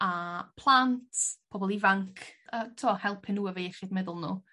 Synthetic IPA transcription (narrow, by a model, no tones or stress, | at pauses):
apʰlˠantʰpʰɔbɔlˠivaŋkʰətʰuːɔhɛlˠpʰɪnuːəvejɛχɪdmɛðʊlˠnṵː